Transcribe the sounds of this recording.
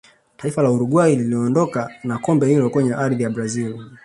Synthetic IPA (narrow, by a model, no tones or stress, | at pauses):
taifalauɾuɠwaililiɔɔndɔkanakɔmbɛhilɔkwɛɲɛʔaɾðijabɾazil